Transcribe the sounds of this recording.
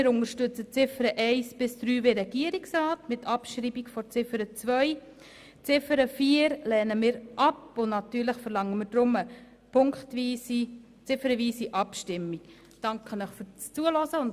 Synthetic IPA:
mɪːɾʊnəɾʃtʏt͡sət͡sɪfəɾəʔɛɪsb̥ɪsd̥ɾyːveːɾɛɡiəɾiksɾaːtmɪtʰɑpʃɾiːbikfɔɾt͡sɪfəɾət͡svœj | t͡sɪfəɾəfiːəɾlɛːnəmɪːɾʔɑpʊnnɑtyːɾləχfəɾlɑŋːəmɪːɾd̥ɾʊmə | pʰʊŋkχtʋiːsi | t͡sɪfəɾəʋiːsiʔɑpʃtɪmːik | d̥ɑŋkʰχənəχfyt͡st͡suəlɔsəʊn

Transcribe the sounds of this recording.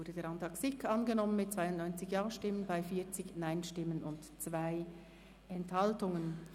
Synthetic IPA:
ʊɐdədeːʁɑntɑksɪkʰɑnɡənɔmənmɪt̚t͡sv̥aɪʊndnɔʏnt͡sɪçjɑːʃtɪmənbaɪfiːɐt͡sɪçnaɪnʃtɪmənʊntt͡sv̥aɪ | ɛnthɑltʊŋən

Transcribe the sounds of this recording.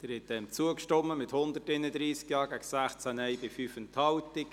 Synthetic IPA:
d̥əɾhɛt̚d̥ɛmt͡suəkʃtɔmːəmɪthʊnd̪ərtɪnəd̪ɾiːskjɑːɡæɡsæχt͡sænɛjbɪfyːfəntʰhɑwtɪk

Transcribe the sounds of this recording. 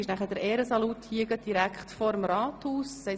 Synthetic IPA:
ɪʃnæχəd̥̪əɾɛːɾəsɑlut̪hiəɡəd̥iɾækχtfɔɾəmɾɑːthuːssɛ

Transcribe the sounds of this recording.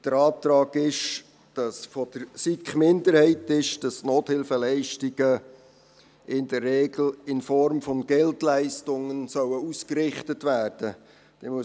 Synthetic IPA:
d̥əɾɑːt̪ɾɑːɡɪʃ | d̥ɑsfɔd̥əɾsikχmɪndəɾhɛɪtɪʃd̥ɑsnoːthɪlfəɛlɛɪʃtiɡ̥ə | ɪndərːɛːɡl̩ɪnfɔɾmfɔnɡ̥ɛltlæɪstʊŋənsœwəuskɾɪχtətʋæːrd̥ə | d̥ɛmuə

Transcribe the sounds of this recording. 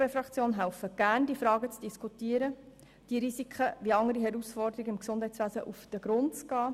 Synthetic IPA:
befɾɑkt͡sjoːnɦæʊfəɡ̥ændiːəfɾɑːɡət͡sd̥iskʰutiːəɾə | d̥iːɾisikʰχəʋiɑŋəɾiɦɛɾusfɔrɾdəɾiɡəɪmksʊnd̥hɛɪtt͡sʋæːsə̰ʔufd̥əɡɾʊnt͡sɡɑː

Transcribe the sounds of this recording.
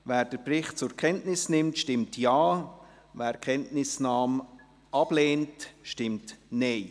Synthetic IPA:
væːɾd̥əprɪχt̚t͡sʊɾkʰɛntnɪsnɪmtʃtɪmtʰjɑː | væːkʰɛntnɪsnɑːm | ʔɑb̥leːntʃtɪmtneɪ

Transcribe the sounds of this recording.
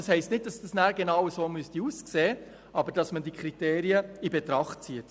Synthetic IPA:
ɑshɛɪstnɪt̚d̥ɑsd̥ɑsnæːɾɡenɑwəsoːmystiuːskseː | ʔɑbəɾd̥ɑsməndikχɾiteːɾiəibɛtɾɑχt̚t͡siət

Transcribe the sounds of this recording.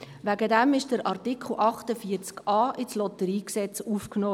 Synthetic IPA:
ʋæɡədæmɪʃd̥əɾʔɑɾtikʰχl̩ˠʔɑχtəfiːəɾt͡skɑːʔɪslɔtəɾiːksɛt͡suːfknoː

